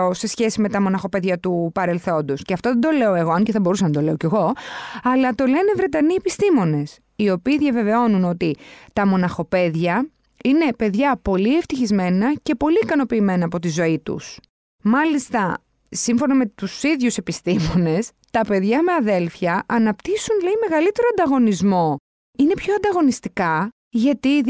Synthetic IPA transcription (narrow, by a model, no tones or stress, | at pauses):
ose̞sçe̞sime̞t̪ɐmo̞nɐxo̞pe̞ðʝɐt̪upɐɾe̞lθo̞nd̪o̞sceɐft̪oðed̪o̞le̞o̞e̞ɣo̞ɐɲceθɐbo̞ɾusɐnɐd̪o̞le̞o̞ce̞ɣo̞ɐlɐt̪o̞le̞ne̞vɾe̞t̪ɐniepist̪imo̞ne̞s | io̞piːðʝɐve̞ve̞o̞nuno̞t̪it̪ɐmo̞nɐxo̞pe̞ðʝɐ | ine̞pe̞ðʝɐpo̞lieft̪içizme̞nɐce̞po̞liːkɐno̞piːme̞nɐːpo̞t̪izo̞it̪ṵs | mɐlist̪ɐ | siɱfo̞nɐme̞t̪usiðʝuse̞pist̪imo̞ne̞s | t̪ɐpe̞ðʝɐme̞ɐðe̞lθçɐʔɐnɐpt̪isunleime̞ɣɐlit̪e̞ɾoɐnd̪ɐɣo̞nizmo̞ | ine̞pço̞ɐnd̪ɐɣo̞nist̪ikɐ | ʝɐt̪i